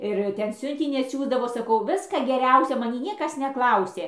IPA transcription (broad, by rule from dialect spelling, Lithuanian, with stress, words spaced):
ɪr ˈtʲɛn ˈsʲʊnʲtʲɪnʲiː ɐtʲˈsʲuːzdɐʋoː sɐˈkɐʊ ˈʋʲɪskɐ ɡʲɛˈrʲɛʊsʲoː mɐˈnʲiː ˈnʲiɛkɐs nʲɛˈklˠɐʊsʲeː